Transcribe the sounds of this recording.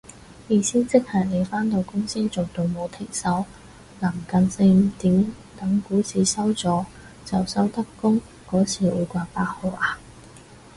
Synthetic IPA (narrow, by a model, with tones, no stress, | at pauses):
jiː˨˧˩siː˥nt͡sɪ˥k̚hɐ˨˩ne˨˧jfaː˥nt̪o˨˧wkʊ˥ŋsiː˥t͡so˨˩wt̪o˨˧wmo˨˧wt̪ʰɪ˨˩ŋsɐ˨˥w | laː˨˩mkɐ˨˧nsɪ˧˨˩t̪iː˨˥m | t̪ɐ˨˥ŋkuː˨˥t͡sʰiː˨˧sɐ˥wt͡sɔː˨˧ | t͡sɐ˨˩wsɐ˥wt̪ɐ˥kːʊ˥ŋ | kɔː˨˥t͡sʰiː˨wuː˨˧jkʷaː˧paː˧k̚ho˨˧ʔaː˨˧